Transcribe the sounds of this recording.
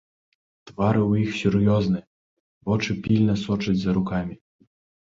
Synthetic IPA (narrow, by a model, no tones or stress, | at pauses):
t̪vaɾɨwjixsʲurjɔznɨ | vɔt͡ʂɨpʲilʲnɐsɔt͡ʂɐd͡zʲzɐɾukamʲi